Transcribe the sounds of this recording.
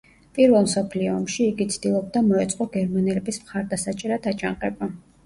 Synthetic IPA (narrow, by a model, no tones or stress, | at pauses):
pʼiɾvɛlˠmsɔpʰliɔːmʃiːɡit̪sʰd̪̥ilˠɔb̚d̪amɔɛt̪sʼqʼɔɡɛɾmanɛlɛbismχaɾd̪asat͡ʃʼɛɾad̪at͡ʃʼaŋqʼɛba